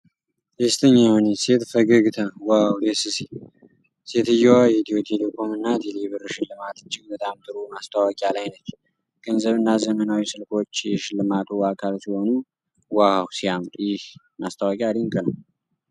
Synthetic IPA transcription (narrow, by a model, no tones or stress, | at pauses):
d̪est̪ʰəɲːahonese̞t̪fəɡəɡt̪ʰəwawd̪esɨsi | se̞t̪ɨjːɛwajɛt̪ʰiot̪ʰelekʰomɨnːat̪ʰeliβɨɾɨʃɪlːɨmat̪ɨd͡ʒːɪɡbət̪ʼamt̪ʼɨɾumast̪ʰawɔkʼalajnət͡ʃː | ɡ̥ənzəβɨnːazəmənawisɨlkʰo̞t͡ʃːjɛʃɪlːɨmat̪ʰuakʰalsiho̞nu | waawsiamt̪ʼjɪh | mast̪ʰawɔkʼad̪iŋkʼɨnəw